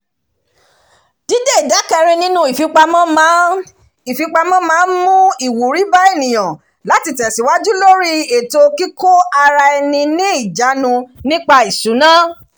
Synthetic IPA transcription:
d̥i˦de˦i˨da˨˦kɛ˧ɾ̃ĩ˧nĩ˦nũ˦i˨fi˨˧k͡pa˧mã˦mã˦ | i˨fi˧˦k͡pa˧mã˦mãː˦˧˦nmũ˦i˨wu˨ɾi˨˦ba˦e˦˨nĩ˨j̃ã˨ | la˨˦ti˧tɛ˨si˨˦wa˦d͡ʒu˦lo˦ɾi˦e˨to˧ki˦ko˦a˧ɾa˧ɛ˧nĩ˧nĩ˦i˦˨d͡ʒa˨˦nũ˧nĩ˦k͡pa˧i˨su˨˦nã˦

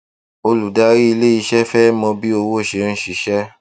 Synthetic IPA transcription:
o˧lu˨da˦ɾi˦i˧le˦i˧ʃɛ˦fɛ˦mɔ̃˧bi˦o˧wo˦˨ʃe˨n̩˦ʃi˨˦ʃɛ˦

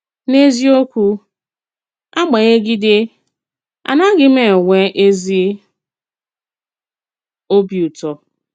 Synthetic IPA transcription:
ne˦zi˦o˦kʷu˦ | a˦ɡ͡ba˨ɣe˦ɡi˦de˦ | a̰˨na˦ɡɪ˦me˨ŋʷe˦ʔe˦zi˦ | o˦bi˨u˨tɔ˨

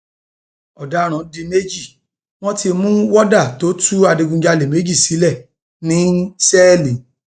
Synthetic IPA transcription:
ɔ˨da˨˦ɾ̃ɔ̃˨di˧ne˦d͡ʒi˦˨ | w̃ɔ̃˦ti˧mũ˦wɔ˦da˦˨to˦tʰu˦a˧de˧ɡũ˧d͡ʒa˧le˨me˨˦d͡ʒi˦˨si˨˦lɛ˦˨ | nĩ˨˦sɛ˦˨lĩ˨

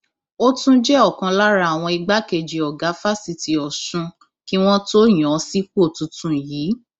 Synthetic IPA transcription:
o˦tũ˦d͡ʒɛ˦ɔ˦˨kã˧la˦ɾa˦a˨w̃ɔ̃˧i˧ɡ͡ba˦ke˨d͡ʒi˨ɔ˨ɡa˨˦fa˦si˧ti˨ɔ˨sũ˧˦ | ki˦w̃ɔ̃˦to˦j̃ɔ̃˨˦si˦k͡po˦˨tũ˨˧tũ˦˨jiː˨˦

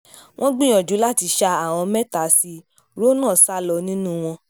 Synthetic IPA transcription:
wʔɔ̃˦ɡ͡bĩ˦˨j̃ɔ̃˨d͡ʒu˨˦la˦˨ti˧ʃa˧a˨w̃ɔ̃˧mɛ˦ta˨˦si˧ | ɾo˦nãː˦˨sa˦lɔ˧nĩ˦nũ˦w̃ɔ̃˧

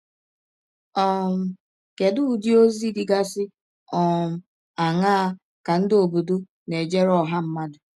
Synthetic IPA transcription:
ɔ˦˨m̩˨ | ke˨dʊ˦˨di˦o˦zi˦dɪ˦ɡa˦sɪ˦ | ɔ˨m̩˨ | a˨ŋa˦a˦ | ka˨n̩˦dɪ˦o˨bo˨do˦ | ne˨d͡ʒe˦ɾɔ˨ɦa˦m̩˦ma˦dʊ˨

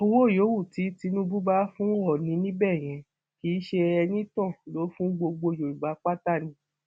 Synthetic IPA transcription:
o˧wo˦˨jo˨˦wu˦˨ti˨˦ti˧˦nũ˦bu˦ba˦fũ˦ɔ˦˨nĩ˨˧˦nĩ˦bɛ˦˨j̃ɛ̃˨˧ | ki˨˦ʃe˧ɛ˧nĩ˦tɔ̃˦˨lo˨˦fũ˦ɡ͡bo˧ɡ͡bo˧jo˨u˨ba˨˦k͡pa˦ta˦˨nĩ˨˦

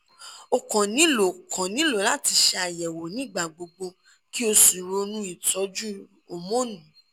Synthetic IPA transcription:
o˨kã˨nĩ˨˦lo˨kʰã˨nĩ˨˦lo˨la˦ti˧ʃɛ˧a˨jɛ˨wo˨nĩ˦˨ɡ͡ba˨ɡ͡bo˨˧ɡ͡bo˧ | ki˦o˧su˨ɾo˧nũ˦i˨tɔ˨˦d͡ʒu˦ | o˨mõ˦nũ˨˦

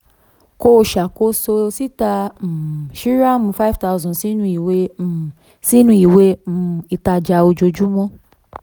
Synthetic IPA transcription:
ko˦˨ʃa˨ko˧˦so˧si˦ta˧˨ | ʃi˦ɾa˦mũ˧fa˦i˦˨fta˧˨zɔ̃˨si˨˦nũ˧i˨we˨˦˨ | si˦nũ˧i˨we˦m̩̃˧˦i˧ta˧d͡ʒa˧o˧d͡ʒo˧d͡ʒu˦mɔ̃˦

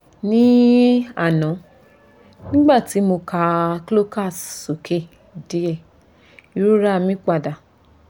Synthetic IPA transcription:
nĩ˦a˦˨nɔ̃˨˦ | nĩ˦ɡ͡ba˦˨ti˨˦mo˧ka˧klo˦ka˦˨sso˨kʰe˦˨ | de˨˦ɛ˦˨ | i˧˦ɾu˦ɾa˦˧˨mĩ˦k͡pa˧˨da˨

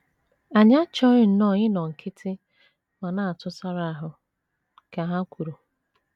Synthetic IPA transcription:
a˨ɲa˦t͡ʃɔ˦ɾɪ˦n̩˨nɔ˦˨ɲɪ˦nɔ˨ŋ̩˨kʰɪ˦tʰɪ˦ | ma˨na˦˨a˨tʊ˦sa˦ɾa˦a˨ɦʊ˨ | ka˨ɦa˦kʷu˨ɾu˨

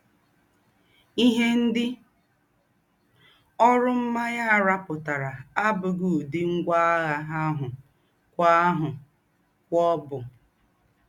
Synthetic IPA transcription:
i˦ɦe˦n̩˦dɪ˦ | ɔ˦ɾʊ˦m̩˦ma˦ja˦˨ɾa˦pʊ˨ta˨ɾa˨a˦bʊ˨ɡu˨dɪ˦ŋ̩˦ɡʷa˦a˦ɣa˨ɦa˦ɦʊ˨ | kʷa˦a˦ɦʊ˨ | kʷɔ˦bʊ˨

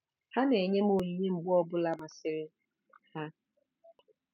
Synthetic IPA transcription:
ha˦ne˨ɲe˦mo˨i˨ɲi˦ŋ͡m̩˨ɡ͡bɔ˦bʊ˦la˦ma˨sɪ˨ɾɪ˦ | ha˦

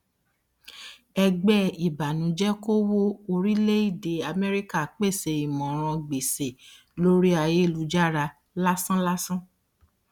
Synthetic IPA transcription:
ɛ˧ɡ͡bɛ˦˨i˨ba˨nũ˨˦d͡ʒɛ˦ko˦wo˦o˧ɾi˦le˦i˦˨de˨˦a˧mɛ˦ɾi˦ka˦˨k͡pe˦˨se˧i˨mɔ̃˨ɾ̃ɔ̃˧ɡ͡be˨se˨ | lo˦ɾi˦a˧je˦˨lu˨˧d͡ʒa˦˨ɾa˧ | la˦sã˦la˦sã˦

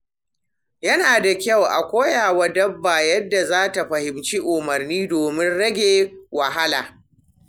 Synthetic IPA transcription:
jɐ˦naː˨da˨kʲɐ˦˨wʔa̰˨kʷoː˦jaː˨wa˦dɐ˦bːaː˨jɐ˦dːa˨zaː˦ta˨ɸɐ˨hɪ˨mt͡ʃi˦ʔʊ˨mɐ˨rniː˦doː˨mɪ˦nɽɐ˦ɡʲeː˨wɐ˨ɦa˦laː˨

